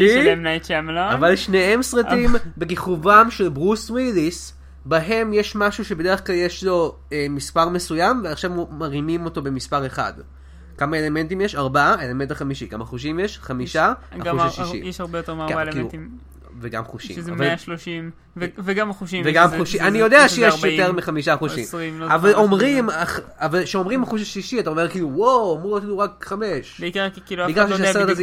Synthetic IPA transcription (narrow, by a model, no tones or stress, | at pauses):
iemnajtt͡ʃamlaavalʃnehe̞msʁatimbeɡiχuvamʃe̞lbʁuswilis | baɦe̞mjeʃmaʃuʃebe̞de̞eχklaljeʃlo̞ | emispaʁme̞sujamveaχʃavmaʁimimo̞to̞be̞mispaʁe̞χa̰d | kamae̞le̞me̞ntimjeʃaʁbaaelementaχamiʃikamaχuʃ̬imjeʃχamiʃaauaʃliʃḭjeʃaʁbejot̪eʁmaaleilut̪im | veɡa̰mχuʃḭamvalaʃloʃim | vveɡamaχuʃimveɡamuʃianijo̞deaʃejeʃjot̪eʁmiχamiʃaχuʃḭmʁimavalomʁimaχavalʃeo̞mʁimaχuʃ̬aʃliʃiataomekiːluwowamʁuot̪iluʁakχameʃbeikaʁkiːluikaʁʃʃaaeet̪az